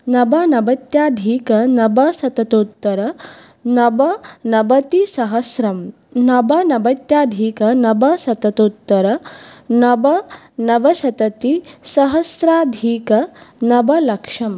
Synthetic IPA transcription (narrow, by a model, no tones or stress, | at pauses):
nɐbɐnɐbɐt̪jaːd̪ʱiːkɐnɐbɐsɐt̪ɐt̪ut̪ːɐɾɐ | nɐbɐnɐbɐt̪isɐɦɐsɾɐm | nɐbɐnɐbɐt̪jaːd̪ʱiːkɐnɐbɐsɐt̪ɐt̪ut̪ːɐɾɐnɐbɐ | nɐbɐsɐt̪ɐt̪isɐɦɐsɾaːd̪ʱiːkɐnɐbɐlɐkʂɐm